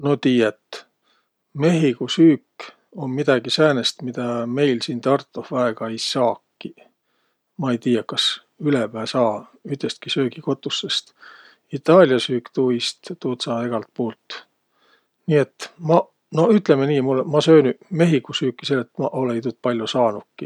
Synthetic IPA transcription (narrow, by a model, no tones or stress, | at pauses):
not̪iːjet̪ | me̞ɦikusyːkː | o̞nmid̪̥ɑɡ̥isæːnest̪mid̪̥ɑme̞jlsiːnt̪ɑrt̪ˑːufvɑeɡ̥ɑejsɑːkːi | mɑejt̪iːjɑkɑs | ylepæːsɑːyt̪est̪̚kisøːɡ̥iko̞t̪ˑːusːest̪ | it̪ːˑɑːlʲjɑsyːkt̪uist̪t̪uːt̪sɑːe̞ɡ̥ɑlt̪̚poːlt̪ | niːe̞t̪ːˑmɑ | no̞yt̪ˑlemeniːmulːemɑsø̞ːnyme̞ɦiɡusyːkːˑiselːet̪ːmɑʔo̞leit̪ut̪̚pɑlʲjosɑːnukːi